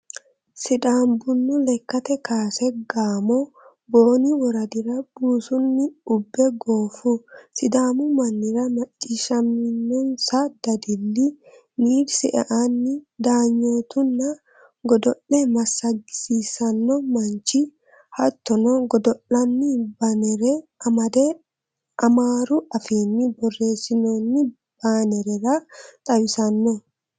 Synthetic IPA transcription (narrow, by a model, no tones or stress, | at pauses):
sɪd̪aːmbʊnːʊlɛkːɐt̪ɛkaːsɛɡaːmɔ | bo̞ːnɪwɔɾɐd̪ɪɾɐb̥uːsʊnːɪʊbːɛɡo̞ːfʊsɪd̪aːmʊmɐnːɪɾɐmɐt͡ʃʼːɪʃɐmːɪnːɔnsɐd̪̥ɐd̪ɪlːɪ | niːɾsɛʔɛ̰ʔanːɪd̪aːɲːoːt̪ʊnːɐ | ɡɔd̪ɔʔɛmɐsːɐɡɪ̥sisɐnːɔmɐnt͡ʃɪ | hɐt̪ːɔnɔɡɔd̪ɔʔɐnːɪbɐnɛɾɛɐd̪ɛ | ɐmaːɾʊʔɐfeːnːɪbɔrːe̞ːsːɪnoːnːɪ | b̥aːnɛɾɛɾɐt̪ʼɐwɪsɐnːɔ